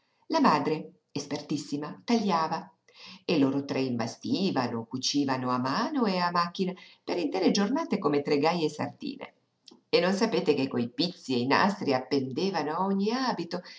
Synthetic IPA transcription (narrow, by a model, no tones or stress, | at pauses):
lamaːd̪ɾe | espert̪isːimat̪aʎːaːva | eloːɾot̪ɾeimbast̪iːvanokut͡ʃiːvanoamaːnoeamak̟ːinapeɾint̪ɛːɾed͡ʒornaːt̪ekomet̪ɾeɡajesa̰rd̪ḭːnḛ | enːonsapeːt̪ekekːojpit̪sːieina̰st̪ɾiapːend̪eːvanoaoɲːiaːbit̪o